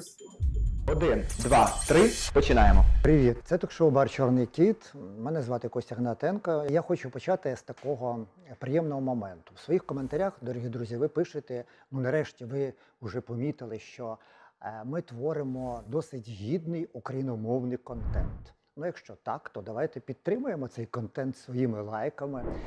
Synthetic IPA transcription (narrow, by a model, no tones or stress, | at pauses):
ɔd̪ɪnd̪ʋɑt̪ɾɪpɔt͡ʃɪnɑjemɔpɾɪʋʲit̪sɛt̪ɔkʃɔʊbɑrt͡ʃɔrnɪjkʲit̪mɛnɛzʋɑt̪ɪjɐkɔɔsʲɐɦnɐt̪ɛnkɐjaxɔt͡ʃʊpɔt͡ʃat̪ɪst̪ɐkɔɦɔ | pɾɪjɛmnɔɦɔmɔmɛnt̪ʊwsʋɔjixkɔment̪ɐɾʲaxd̪ɔɾʲɔɦʲid̪ɾuzʲiʋɪpɪʃɪt̪ɛ | nunɐɾɛʃtʲiʋɪ | ʊʒɛpɔmʲit̪ɪlˠɪʃt͡ʃɔ | mɪt̪ʋɔɾɪmɔd̪ɔsɪtʲɦʲid̪nɪjukɾɐjinɔmɔwnɪjkɔnt̪ɛnt̪ | nujɐkʃt͡ʃɔt̪ɑkt̪ɔd̪ɐʋajt̪ɛpʲid̪̚t̪ːɾɪmʊjemɔt̪sɛjkɔnt̪ɛnt̪sʋɔjimɪlˠɑjkɐmɪ